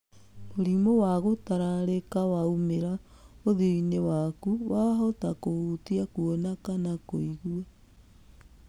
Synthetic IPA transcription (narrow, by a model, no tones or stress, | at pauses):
moɾimowaɣotaɾaɾekawaumeɾaoðiinewakuwaɦɔtakohutiakuonakanakoiɣua